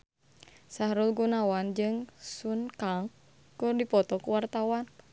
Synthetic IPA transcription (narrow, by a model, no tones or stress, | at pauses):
saɾulɡunawand͡ʒɨŋsunkaŋ | kʊrdipɔt̪ɔkuwart̪awan